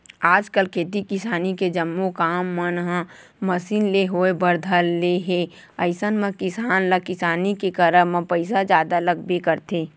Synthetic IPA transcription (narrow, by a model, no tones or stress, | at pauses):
aːd͡ʒkəlkʰeːt̪̬ikɪsaːniked͡ʒəmːokaːmːənɦã | məsiːnleɦoebəɾd̪ʱəlːeɦe | əɪsənmə̃kɪsaːnləkɪsaːnikekəɾəmə̃pəɪsad͡ʒjaːd̪aləɡ̚bekəɾt̪ʰeː